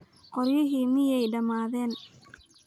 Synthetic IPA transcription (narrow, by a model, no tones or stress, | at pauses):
qɔɾjɪɦiːmɪjɛjɖɐmaːðɛːn